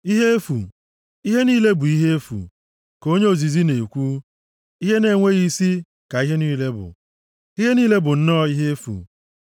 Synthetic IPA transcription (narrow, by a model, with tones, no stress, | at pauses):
i˦ɦe˦e˦fu˨ | i˦ɦe˦niː˦le˦bʊ˨i˦ɦe˦e˦fṵ˨ | ko˦ɲe˦o˨zi˨zi˦ne˨kʷu˦ | i˦ɦe˦ne˨ŋʷe˦ɣi˦si˦ | ka˨i˦ɦe˦niː˦le˦bʊ̰˨ | i˦ɦe˦niː˦le˦bʊ˨n̩˦nɔ˦i˦ɦe˦e˦fṵ˨